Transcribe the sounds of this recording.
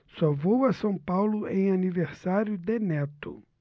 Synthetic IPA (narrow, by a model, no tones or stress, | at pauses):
sɔvowɐsɐ̃w̃pawlʊʔẽj̃aniveɾsaɾjʊd̪enɛt̪ʊ̰